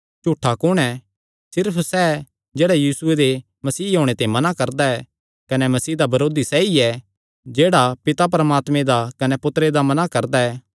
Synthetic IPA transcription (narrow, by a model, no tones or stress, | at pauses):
t͡ʃʊʈʰːakʊɽ̃ɛ | sɪɾpʰsɛ | d͡ʒeːɽajiːsʊed̪e | mɐsiːɦoːɽ̃et̪ãːĩmɐnakɐɾd̪aɛ | kɐnɛmɐsiːd̪abɐɾoːd̪isɛːiɛ | d͡ʒeːɽapɪt̪ap̬ɐɾəmaːt̪mẽd̪akɐnɛpʊt̪ɾed̪amɐnakɐɾd̪aɛː